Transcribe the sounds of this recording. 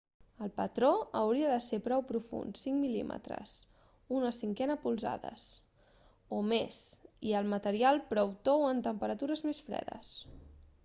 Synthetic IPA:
əlˠpət̪ɾoəwɾiəðəsepɾɔwpɾufṵnsiŋmilḭmʔə̰t̪ɾə̰s | unəsiŋkɛnəpulˠza̰ðə̰s | omesiəlˠmət̪əɾialˠpɾɔwt̪owənt̪əmpəɾət̪uɾəzmesfɾɛ̰ðə̰s

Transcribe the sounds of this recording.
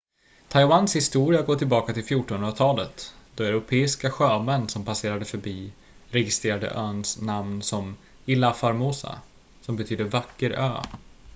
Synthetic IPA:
t̪ʰajwanshɪst̪uːɾɪaɾɡɔt̪ʰːɪlbɑːkat̪ɪlfjuʈːɔnhɵnɾat̪ʰɑːlət̪d̪̥ɔɛɾʊpʰeːɪskaɧøːmɛnːsɔmpʰaseːɾad̪əfœɾbiː | ɾɛɡɪst̪ɾeːɾad̪ə̰ʔœːnsnamnsɔm | ɪlːafaɾmoːsa̰ | sɔmbɛt̪ʰyːd̪əvakːəɾø̰ː

